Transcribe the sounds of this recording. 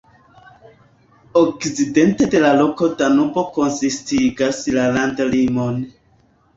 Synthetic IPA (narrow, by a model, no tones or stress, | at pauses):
ok̚t͡side̞nte̞de̞lalo̞ko̞danubo̞ko̞nsistiɡaslalandlimon